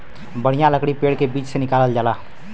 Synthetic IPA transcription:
bəɽ̤ijãləkɽipeːɽkebiːt͡ʃsenɪkaːləld͡ʒaːlaː

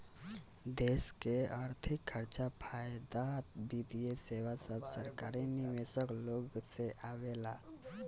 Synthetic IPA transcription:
d̪eskeaɾt̪ʰikʰːəɾt͡ʃapʰajd̪at̪bid̪ijesewasəbsəɾkaɾinimesəkloɡseʔawela

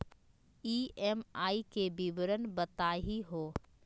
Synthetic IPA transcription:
iːeːmaːikebiʋɾənbət̪aːɦiɦoː

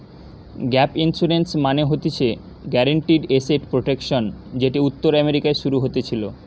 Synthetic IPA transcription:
ɡɛpinsuɾensmaneɦot̪et͡ɕʰe | ɡɛɾeɳʈiɖeseʈpɾoʈekʃond͡ʑeʈiut̪ːoɾɛmeɾikaeʃuɾuɦot̪et͡ɕʰilo

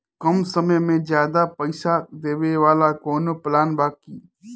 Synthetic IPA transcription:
kɐmsɐməjmẽzjaːd̪apɐɪsad̪eːʋeʋaːlakoːnoplaːnbaːki

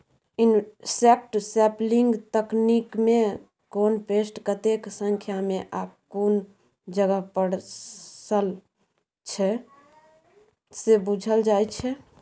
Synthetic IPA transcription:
insek̚ʈsɛpliŋɡt̪əknikme | konpesʈkət̪eksə̃ŋkʰjameʔabkon | d͡ʒəɡəpəɽsəl | t͡ʃʰɛ | sebud͡ʒʱəld͡ʒajt͡ʃʰɛ

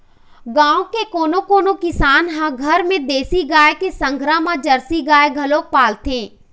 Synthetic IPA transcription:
ɡãːõkekoːnokoːnokɪsaːnɦãɡʱɐɾmẽd̪eːsiɡaːekesə̃ŋɡʱɾamãd͡ʒɐɾsiɡaːeɡʱɐlõk̚paːlt̪ẽː

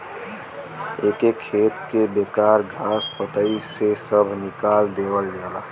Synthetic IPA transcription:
ekekʰet̪kebekaɾɡʱaspət̪əisesəbʱnikald̪ebəld͡ʒaːla

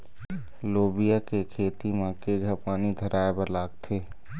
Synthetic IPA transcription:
loːbijakekʰeːt̪imãkeɡʱəpaːnid̪ʱəɾʔaːebəɾlaːɡt̪ʰeː

